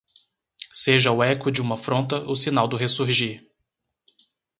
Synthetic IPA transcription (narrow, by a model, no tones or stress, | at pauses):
seʒɐʊɛkʊd͡ʒɪũmɐfɾõnt̪ɐʔʊsinawd̪ʊɦesuɾʒiɾ